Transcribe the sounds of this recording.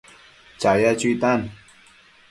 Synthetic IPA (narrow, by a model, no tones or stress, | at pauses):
t͡ʃajat͡ʃut̪an